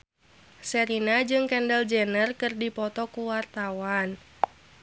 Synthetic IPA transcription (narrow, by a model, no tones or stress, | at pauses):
sɛɾinad͡ʒɨŋkɛndəld͡ʒɛnərkɨrdipɔt̪ɔkuwart̪awan